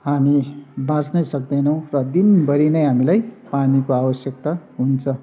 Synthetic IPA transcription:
ɦamibãt͡snʌjsʌk̚d̪ʌnʌw̃rʌd̪inbʌɾinʌjɦamilajpanikoabʌsjʌk̚t̪aɦunt͡sʰʌ

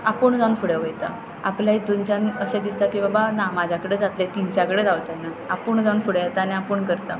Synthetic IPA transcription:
apəɳd͡zaunfuɽeʋəjt̪a̰ | a̰pljaɦid̪ont͡ɕjãnəɕãd̪ist̪akĩʋabanamad͡ʑʱjakəɽed͡zat̪let̪int͡ɕjakəɽed͡zawt͡ɕajna | apuːɳd͡zaunfuɽjat̪anĩapəːɳkəɾt̪a

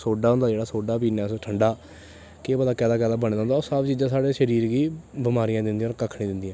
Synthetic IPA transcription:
soːɖaːɦʊ̃nd̪aːd͡ʒeːɽaːsoːɖaːpiːnãːsʈʰəɳɖaː | keːbəd̪aːkɛːd̪aːkɛːd̪aːbəñd̪ãːnd̪aoːsaːbt͡ʃiːd͡ʒãːsaːɽeːʃəɾiːɾɡiːbɪmaːɾijãːd̪ɪnd̪ijãːɾkəkʰɽiːd̪ɪnd̪ijãː

